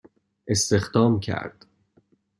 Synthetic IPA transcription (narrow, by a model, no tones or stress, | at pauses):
ʔe̞st̪e̞xd̪ɒːmcʰæ̰ɾd̪̥